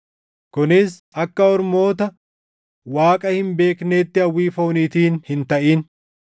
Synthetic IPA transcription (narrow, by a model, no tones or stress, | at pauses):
kʊnɪsʔɐkːɐɔɾmo̞ːt̪ɐ | waːkʼɐhɪmbe̞ːkneːt̪ːɪɐwːiːfo̞ːniːt̪iːnhɪnt̪ɐʔiːn